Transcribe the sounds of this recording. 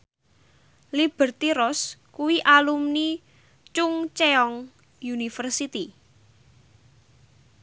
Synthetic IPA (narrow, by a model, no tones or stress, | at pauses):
lib̥ə̤rt̪iɾɔskuwiʔalumni | t͡ʃʊŋt͡ʃeɔŋ | junifərsit̪i